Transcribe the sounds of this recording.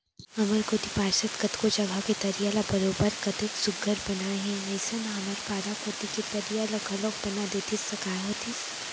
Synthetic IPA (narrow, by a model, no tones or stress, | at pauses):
ɐməɾkoːt̪ipaːɾsət̪kɐt̪kot͡ʃɐɡʱaket̪ɐɾijaːlabɐɾoːbəɾkɐt̪eksʊɡʱəɾbɐnaɦɛ̃ɐɪsɐnɦɐməɾpaːɾakoːt̪iket̪ɐɾijalaɡɐlok̚bɐnad̪eːt̪isɐkaːɦot̪ʰi